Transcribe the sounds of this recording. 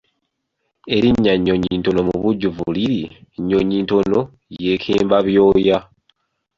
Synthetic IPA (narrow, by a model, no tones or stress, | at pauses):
e̞ɾiɲːaɲːo̞ɲinto̞no̞muβuɟːuvuliɾiɲːoɲiːnto̞no̞ | je̞ːkʰeːmbaβjo̞ːja